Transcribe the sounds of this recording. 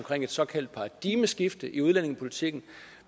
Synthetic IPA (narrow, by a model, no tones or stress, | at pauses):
mkʰʁeŋ̰e̝d̥sɒ̽kʰæl̰d̥̚pʰɑ̈d̥iməsɡ̥ifd̥əʔiuð̞ˠlene̝ŋæpʰo̝lit͡sʰiɡ̥n̩